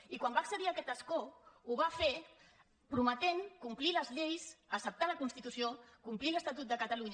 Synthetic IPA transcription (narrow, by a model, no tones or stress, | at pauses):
ikwambaəksəðiəkɛt̪əskouβafe | pɾumət̪eŋkumpliləzʎejsəsəp̚t̪aləkunst̪it̪usiokumpliləst̪at̪ut̪̚d̪əkət̪əluɲ